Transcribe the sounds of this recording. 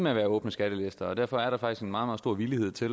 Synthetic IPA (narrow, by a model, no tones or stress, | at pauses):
meæʋæːɐɔ̽ːb̥nəsɡ̥æɾ̥əle̝sd̥ɐɒ̽d̥æɐfɒ̽æɐɾ̥ɑ̈fɑ̈ɡ̥isɡ̥enmɑ̈ːð̩ˠmɑðˠsdo̝ɐ̰ʋilihe̝ð̰ˠt͡sʰe̝l